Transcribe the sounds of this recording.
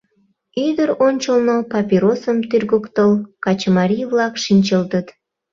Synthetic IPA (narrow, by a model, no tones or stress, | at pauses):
id̪əɾonʲt͡ɕəlnopɑpʲiɾosəmt̪yrɣəkt̪əlkɑt͡ɕəmɑɾʲijβlɑkʃinʲt͡ɕəlt̪ət̪